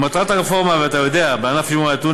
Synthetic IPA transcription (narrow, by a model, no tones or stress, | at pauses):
mat̪ʁat̪akefoʁmaveat̪ajod̪eabanafimat̪u